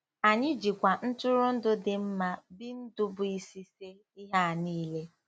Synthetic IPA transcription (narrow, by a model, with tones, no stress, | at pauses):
a˨ɲɪ˦d͡ʒi˨kʷa˨n̩˦tʊ˦ɾʊ˦n̩˦dʊ˦dɪ˨m̩˦ma˦bi˦n̩˦dʊ˦bʊ˨i˦si˦se˦ | i˦ɦa˦˨niː˦le˦